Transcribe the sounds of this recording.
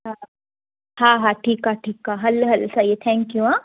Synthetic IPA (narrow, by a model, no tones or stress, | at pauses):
ɦa | haːɦaːʈʰiːkɦaʈʰiːkɦaːɦɐlɦɐlsajet̪ʰɛ̃ːŋkjuɦãː